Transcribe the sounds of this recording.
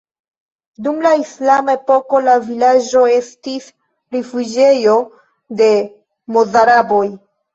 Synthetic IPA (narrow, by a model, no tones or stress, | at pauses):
dumlaislamae̞po̞ko̞lavilad͡ʒo̞e̞stis | ɾifud͡ʒe̞jo̞ | de̞ | mozaɾabo̞j